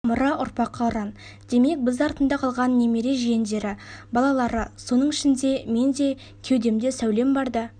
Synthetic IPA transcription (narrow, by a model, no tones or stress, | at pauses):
mʊɾɑʔʊɾpɑqːɑʊɾɑn | d̪̥e̞me̞k̚bɪzɑɾt̪ənd̪ɑqʰɑlˠʁɑnːe̞me̞ɾe̞ʒijend̪e̞ɾɪbɑlˠɑlˠɑɾəso̞nəɴɪʃɪnd̪e̞me̞nd̪e̞ | kʲʰe̞wd̪e̞md̪e̞sæwle̞mbɑɾd̪ə